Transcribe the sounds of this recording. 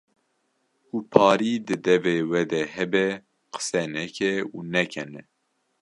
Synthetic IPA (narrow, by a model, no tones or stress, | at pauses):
uːpʰɑːɾiːd̪ɨd̪ɛveːwɛd̪ɛhɛbɛ | qə̥sɛnɛkʰɛunɛkʰɛnɛ